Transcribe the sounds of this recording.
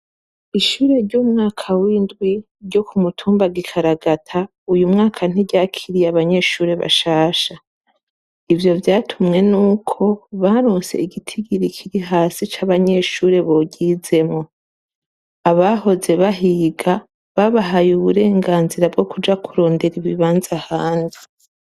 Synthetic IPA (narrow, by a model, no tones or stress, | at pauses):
iʃuːɾe̞ɾɟumŋaːkʰawiːndɡwi | ɾɟo̞kumutʰuːmbaɡikʰaɾaɡatʰa | ujumŋaːkʰan̥iɟaːkʰiɾijaβaɲe̞ʃuːɾe̞βa̰ʃaːʃa | ivjo̞vjaːtʰumŋe̞nuːkʰo̞βaɾoːnse̞̰iɡitʰiɡiɾikʰiɾiɦaːsit͡ʃaβaɲe̞ʃuːɾe̞βo̞ɟize̞mo | aβaho̞ze̞βaɦiɡa | βaβaɦajuβuɾe̞ːŋɡaːnziɾabɡo̞kud͡ʒakʰuɾo̞ːnde̞ɾiβiβaːnzahaːnzi